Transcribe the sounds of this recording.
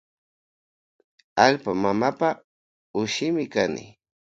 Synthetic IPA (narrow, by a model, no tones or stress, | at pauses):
aʎpamamapa | ʊʃɪmɪkanɪ̰